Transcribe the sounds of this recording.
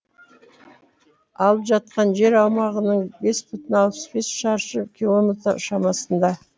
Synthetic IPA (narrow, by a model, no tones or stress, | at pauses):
ɑlˠəpʒɑt̪̚qɑnʒe̞ɾɑwmɑʁənəɴbe̞spʰʏt̪ɪnɑlˠpʰə̥sbe̞sʃɑɾʃəkʲʰilˠo̞mʲe̞t̪ɾə̰ʃɑmɑsənd̪ɑ